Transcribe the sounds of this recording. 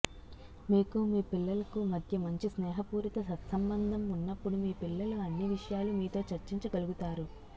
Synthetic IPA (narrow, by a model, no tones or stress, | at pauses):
miːkumiːpilːɐlɐkumɐd̪ʱjɐmɐɲt͡ʃisnɛːɦɐpuːɾit̪ɐsɐt̪sɐmbɐnd̪ʱɐmunːɐpːuɽumiːpilːɐluɐnːiʋiʂɐjaːlumiːt̪o̞ːt͡ʃɐɾt͡ʃiɲt͡ʃiɡɐluɡut̪aːɾu